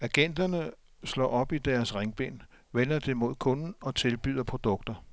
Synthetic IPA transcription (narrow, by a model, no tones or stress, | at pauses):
æɡ̥en̰d̥ɐnə | slɒ̰ːɒ̽b̥id̥æɐsʁeŋb̥e̝̰n | ʋenɐd̥emo̝ð̰ˠkʰɔ̽nn̩ɒ̽t͡sʰe̝lb̥y̰ð̰ˠɐpʰʁo̝d̥ɔ̽ɡ̥d̥ɐ